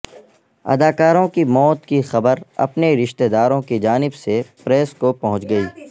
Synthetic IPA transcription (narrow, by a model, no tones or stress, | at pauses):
ɐ̰d̪aːkaːɾõkimɔːt̪kixɐbəɾɐ̰pneɾɪʃt̪ed̪aːɾõkid͡ʒaːnɪbsepɾɛːskopɐɦʊ̃t͡ʃɡɐiː